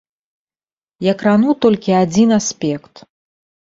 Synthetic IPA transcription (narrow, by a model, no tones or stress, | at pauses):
jɐkɾanut̪ɔlʲkʲiad͡zʲinasʲpʲɛkt̪